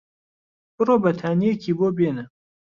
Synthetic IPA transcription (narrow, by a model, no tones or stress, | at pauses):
bɨroːbɐt̪ʰaːnijekʰiːboːbenɨ